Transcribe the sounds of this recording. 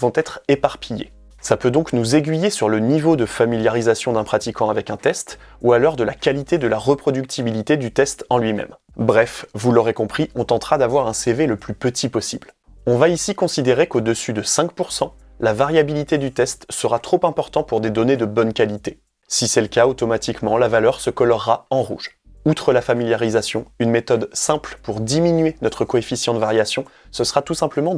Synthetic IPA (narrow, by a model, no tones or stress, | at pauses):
vɔ̃t̪ɛt̪χepaʁpijḛ | sapød̪ɔ̃knuzeɡʲɥijesyʁlənivod̪əfamiljaʁizasjɔ̃d̪ɛ̃pχat̪ikɑ̃avɛkɛ̃t̪ɛst̪ | ualɔʁd̪əlakʲalit̪ed̪əlaʁəpχɔd̪yk̚t̪ʰibilit̪ed̪yt̪ɛst̪ɑ̃lɥimɛ̰m | bʁɛfvulɔʁekɔ̃pχiɔ̃t̪ɑ̃t̪χad̪avwaʁɛ̃seveləplypət̪ʰipɔsibl | ɔ̃vaisikɔ̃sid̪eʁekod̪əsyd̪əsɛ̃k̚puʁsɑ̃ | lavaʁjabilit̪ed̪yt̪ɛst̪səʁat̪χopɛ̃pɔʁt̪ɑ̃puʁd̪ed̪ɔned̪əbɔnkalit̪e | sisɛləkaot̪ɔmat̪ikmɑ̃lavalœʁsəkɔlɔʁːaɑ̃ʁṵʒ | ut̪χəlafamiljaʁizasjɔ̃ynmet̪ɔd̪sɛ̃plpuʁd̪iminɥenɔt̪χəkɔefisjɑ̃t̪vaʁjasjɔ̃ | səsəʁat̪usɛ̃pləmɑ̃